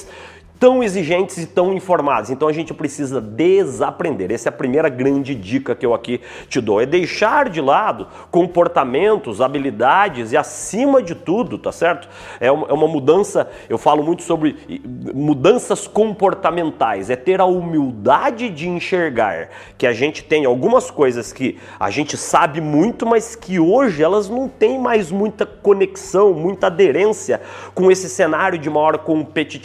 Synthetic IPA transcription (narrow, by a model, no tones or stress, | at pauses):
s | t̪ɐ̃w̃eziʒẽnt͡ʃ̪ɪzɪt̪ɐ̃w̃ĩfoɾmad̪ɐzẽnt̪ɐ̃w̃ɐaʒẽnt͡ʃɪpɾesizɐd̪ezapɾẽnd̪eɾɛsɛɐpɾimejɾɐɡɾɐ̃nd͡ʒɪd͡ʒikɐkɪewaki | t͡ʃɪd̪owɛd̪ejʃaɾd͡ʒɪlad̪ʊ | kõpoɾt̪amẽnt̪ʊzabilid̪ad͡ʒɪzɪasĩmɐd͡ʒɪt̪ud̪ʊt̪asɛɾt̪ʊ̥ | ɛũmɛũmɐmud̪ɐ̃sɐ | ewfalʊmũj̃t̪ʊ̥sobɾɪmud̪ɐ̃sɐskõmpoɾt̪amẽnt̪ajzɛt̪eɾɐumiwd̪ad͡ʒɪd͡ʒɪĩʃeɾɡa̰ɾ | kɪaʒẽnt͡ʃɪ̥t̪ẽj̃awɡũmɐskojzɐskɪ | a̰ʒẽnt͡ʃɪsabɪmũj̃t̪ʊmɐskɪoʒɪɛlɐznɐ̃w̃t̪ẽj̃majzmũj̃t̪ɐkoneksɐ̃w̃mũj̃t̪ɐad̪eɾẽsjɐkõesɪsenaɾjʊd͡ʒɪũmɐɔɾɐkõpet͡ʃi